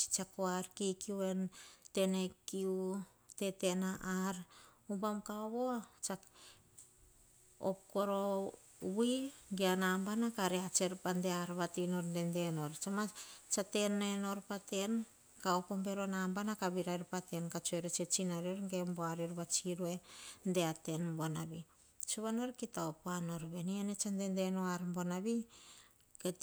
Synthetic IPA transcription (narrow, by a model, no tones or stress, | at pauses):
t͡ʃi̥t͡ʃakoarkikiuentenekiu | tet̪enaʔaɾ | ubamkaoβot͡ʃa | op̚koɾo | wiŋɡianambanakaɾeat͡ʃeɾpandeaɾβat̪inoɾndendenoɾt͡ʃamat͡ʃate̞neno̞ɾpate̞n | kaopombe̞ɾo̞nambanakaβiɾajɾpate̞nkat͡ʃueɾet͡ʃet͡ʃinaɾioɾŋɡe̞mboaɾeɾβat͡ʃiɾue̞ndeate̞nbonabi | t͡ʃuβanoɾkitaopoano̞ɾβe̞nienet͡ʃande̞nde̞noaɾmbo̞naβi | ke